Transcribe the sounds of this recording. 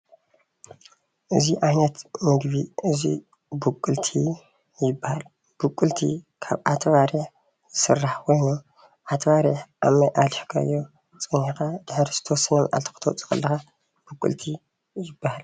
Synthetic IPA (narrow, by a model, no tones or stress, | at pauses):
ʔɨziʔahnɐt̪mɨɡbiʔɨzi | bukʼːɨlt̪ʰi | jɪbːahal | b̥ukʼːɨlt̪ʰḭkʰa̰βʔat̪ʰβaɾiħ | zɨsɨrːaħkʰojnu | ʔat̪ʰβaɾiħʔamɐjʔalħkʰaɨ̰jːo | t͡sʼɨnħikad̪̥ɨħɾiz̥ɨ̥t̪ʰɐwɔsːɐnɐna̰lt̪ʰi̥xɨ̥t̪ʰɐwt͡sʼɨ̥xɐ̰lːɐxa | b̥ɨkʼːɨ̰lt̪ʰi | jɪbːahal